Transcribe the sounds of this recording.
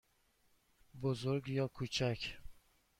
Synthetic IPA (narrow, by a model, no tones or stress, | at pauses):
bʊzʊɾɡʲjɒkʰɵt͡ʃʰakʲ